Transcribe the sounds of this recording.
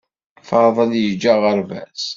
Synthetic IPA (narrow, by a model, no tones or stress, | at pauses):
fɑɾˤðˤəljəd͡ʒːaʁəɾvæ̰s